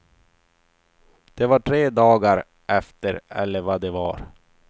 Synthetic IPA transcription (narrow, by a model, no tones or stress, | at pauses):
d̪̥ɛvaʈʰɾeːd̪ɑːɡaɾ | ʔɛft̪əɾɛ̰lːəɾvad̪ɛva̰ɾ